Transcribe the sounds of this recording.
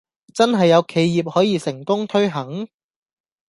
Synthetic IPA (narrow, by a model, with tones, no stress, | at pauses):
t͡sɐ˥nɦɐ˨jːɐ˨˧wkʰe˨˧jːiː˨p̚hɔː˨˥jiː˨˧sɪ˨˩ŋkʊ˥ŋt̪ʰɵ˥ɥɦɐ˨˥ŋ